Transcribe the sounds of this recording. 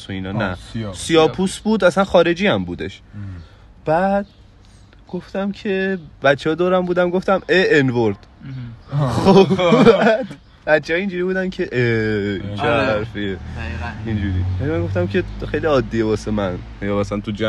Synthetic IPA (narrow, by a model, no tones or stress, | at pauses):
soiːnɒnæ̰siɒːpʰusbuːd̪æsænxɒːɾe̞d͡ʒiːæmbuːd̪e̞̰ʃ | b̥æd̪̥ | ɡ̥o̞ft̪æmcʰe̞bæt̪t͡ʃːehɒːd̪ɒːɾæmbuːd̪æmɡo̞ft̪æmeenvoɾd̪̥ | xoæd̪̥ | b̥æt̪t͡ʃʰːehɒiːnd͡ʒuːɾiːbuːd̪æncʰe̞ʔet͡ʃʰeɡææɾfieind͡ʒuɾḭvælimænŋɡoft̪æmcʲʰe̞xejliɒːd̪ːiebɒːse̞mæn | jɒːmæsæænt̪ʰud͡ʒæ